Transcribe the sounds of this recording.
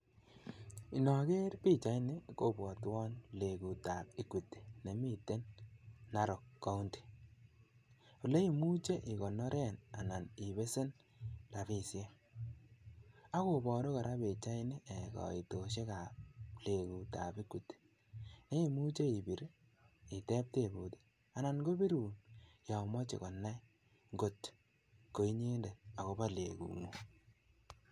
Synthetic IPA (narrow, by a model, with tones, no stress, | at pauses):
i˨nɔ˨ke˦ɾpi˦t͡ʃa˨˦jnɪ˦ko˨bɔ˨twɔ˦nle˨ku˨ta˨p̚ɪ˦ku˨ti̥˨ne˨mi˦˨te˦nː | a˦ɾo˨kːa˦u˦ndi̥˨ | u˨le˦i˨mu˦t͡ʃe˦ʔɪ˨kɔ˨nɔ˦ɾʔɛ˦˨na̰˨na˨nɪ˨βe˦se˦n | la˨bi˨sje˦ | a˦ko˨bɔ˨do˦kɔ˨ɾʔa˦be˨t͡ʃa˦i˦ni˦ʔe˨kɔ̰˨i˨to˨ʃe˦ka˨le˨ku˨ta̰˨bi˦ku˨t | ne˦i˨mu˦t͡ʃe˦i˨bi˨ɾ | i˨tɛ˦p̚te˦˨bu˨te̥˦ | a˨na˨nko˦bi˦ɾuː˨nja˨mɔ˦t͡ʃḛ˨kɔ˨nːa˦i˦ | ŋɡo˨t | ko˨i˦ɲe˦nde˨a˨ko˨ba˦lḛ˨kṵ˨no˨